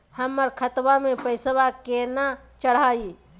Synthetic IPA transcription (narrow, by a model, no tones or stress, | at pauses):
həmːəɾkʰət̪bamepəɪsbakena | t͡ʃəɽ̤ai